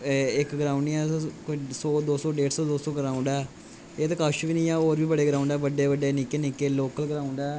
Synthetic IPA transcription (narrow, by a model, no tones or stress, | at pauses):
ɪkɡəɾaːʊ̃ɳɖɛːksɔːd̪oːsɔːɖeːʈsɔːd̪oːsɔːɡəɾaːʊ̃ɳɖɛː | eːt̪ekəʃʋiːnĩːɛːoːɾʋiːbəɽeːɡəɾaːʊɳɖɛːʋəɖːeːʋəɖeːnɪkeːnɪkeːloːkəlɡəɾãːʊɳɖɛː